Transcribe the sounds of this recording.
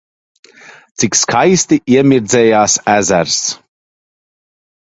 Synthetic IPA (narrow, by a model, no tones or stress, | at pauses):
t̪t͡ssikʲskʰajst̪iʔiɛmiɾd̪zɛːjaːsæzæɾs